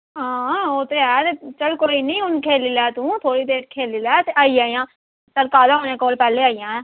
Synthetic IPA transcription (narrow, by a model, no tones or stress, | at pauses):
ɦãːoːt̪eːɛːt̪et͡ʃəlkoːinĩːʊnkʰeːlɪlɛːt̪ũːt̪ʰoːɽiːd̪eːʈkʰeːlɪlɛːt̪eʔaːiːaːijãː | səɾkaːlaːoːnẽːkoːlpɛːleːaːijãːɛ̃ː